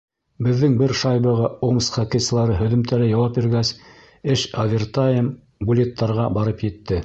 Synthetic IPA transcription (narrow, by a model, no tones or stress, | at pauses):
bɘ̆ðːɘŋbɘɾʃɑjβɤ̆ʁɤomsχɑkeslˠɑɾɤɦɵ̆ðɵ̆mt̪ʰælɘjɑwɑp̚iɾɡæs | ɘʃɐvʲɪrt̪ajɘm | bulʲet̪ːɑɾʁɑbɑɾɤpjɘ̆t̪ːɘ